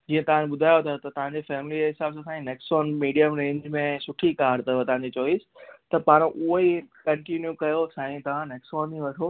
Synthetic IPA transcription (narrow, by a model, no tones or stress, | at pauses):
d͡ʑiːə̃t̪ɐʋ̤ãñɓʊd̪ʱaːjot̪ʰɐt̪ɐt̪ɐʋ̤ãɲd͡ʑefɛːmɪlieɦɪsaːbsãsaːĩneksɔːnmiːɖijəmɾẽːɲd͡ʑmẽsʊʈʰikaːɾt̪ɐʋt̪ɐʋãɲd͡ʑet͡ɕoːisɪ̥t̪ɐpaːɾ̃ʔʊɦikɐ̃ɳʈinjukɐjosãːĩt̪ɐʋ̤ãneːksɔːnĩʋɐʈʰoː